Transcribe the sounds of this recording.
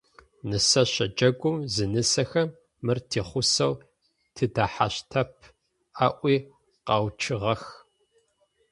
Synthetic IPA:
nɨsɐɕɐd͡ʒʼɐɡʷʊmzɨnɨsɐxɐmː | ɨrtʰeːχʷʊsɐw | tʰɨdaːħa̰ɕtʰɐp̚ʰ | aːʔʷiː | qɑwt͡ʃʰɨʁɐx

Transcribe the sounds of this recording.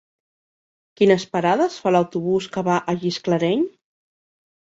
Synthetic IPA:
kinəspəɾaðəsfaləwt̪uβuskəβaʔəʒiskləɾɛɲ

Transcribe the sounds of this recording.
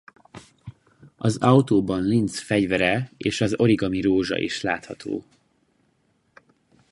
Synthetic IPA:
ɒzɒwt̪oːbɒnlint̪sfɛɟvɛɾɛeːʃɒzo̞ɾiɡɒmiɾoːʒɒ̰ʔḭʃlaːt̪hɒt̪ʰo̰ː

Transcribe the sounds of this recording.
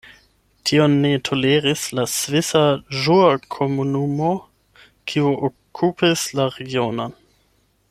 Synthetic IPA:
tʰionːetʰo̞leʁislasvisaʒuakʰomunumo̞ | kʰiuʔo | kʰupislaɾeɡionon

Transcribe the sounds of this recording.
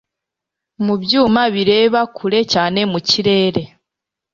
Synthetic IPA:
muβjuːmaβiɾe̞ːβakʰuɾe̞caːne̞muciɾe̞ːɾe̞

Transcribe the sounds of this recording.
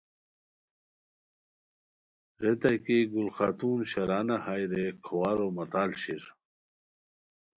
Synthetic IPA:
ʁet̪ɐkiɡulxat̪uːnɕɐɾaːnahajɾekʰowaːɾomɐt̪aːlɕiɾ

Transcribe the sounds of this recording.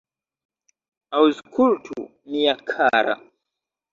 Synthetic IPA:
auzkʰultʰu | nijakʰaːɾa̰

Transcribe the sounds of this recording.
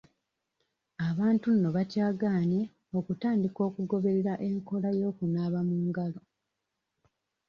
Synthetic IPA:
aβaːntunːo̞βacaːɡaːne | o̞kutaːndiko̞ːkuɡo̞βe̞ɾe̞ɾaʔe̞ŋko̞lajo̞ːkunaːβamuːŋɡalo̞

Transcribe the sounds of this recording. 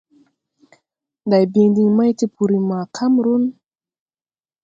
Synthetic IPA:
d̪ajbiŋd̪iŋmajt̪ipʰuɾimakʰamɾun

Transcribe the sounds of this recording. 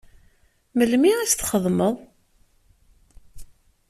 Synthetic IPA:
məlmiæst̪χəðˤməðˤ

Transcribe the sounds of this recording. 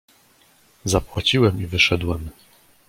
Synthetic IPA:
zapwat͡ɕiwɛmivɘʂɛd̪wɛm

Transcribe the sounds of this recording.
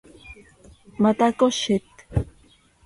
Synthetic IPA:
mat̪akoʃet̪

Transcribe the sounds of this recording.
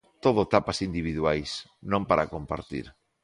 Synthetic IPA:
t̪oð̞oet̪apasind̪iβ̞iðwajsnõmpaɾʔakompa̰ɾt̪ḭɾ

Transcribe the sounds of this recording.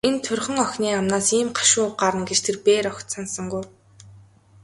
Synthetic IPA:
ent̪ʰɵrʲχə̆ŋœxʲniːamnaːsiːmɢʰḁʃʊːɢaɾə̆nɡet͡ɕt̪ʰerpeːɾɔkt̪sansə̆ŋɡuj

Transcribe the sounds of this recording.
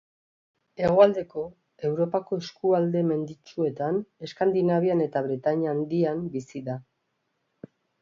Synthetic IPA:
e̞ɣ̞o̞ald̪e̞ko̞ | e̞wɾo̞pako̞eskuald̪e̞me̞nd̪it͡ʃue̞t̪ane̞skand̪inaβ̞iane̞t̪aβ̞ɾet̪aɲand̪iambisiða

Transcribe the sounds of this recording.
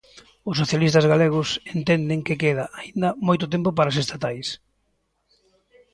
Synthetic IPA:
ʊsːoθjalist̪ɐzɣaleɣ̞ʊsent̪ɛnd̪ɪŋkɪkeðaʔaind̪ɐmojt̪ʊt̪ɛmpopaɾas̬est̪at̪ajs

